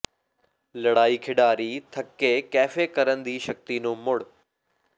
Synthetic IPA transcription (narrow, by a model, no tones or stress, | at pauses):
lɐɽaːikʰɪɖaːɾiːt̪ʰɐkːekɛːfekɐɾənd̪iːʃɐk̚t̪inõːmʊɽ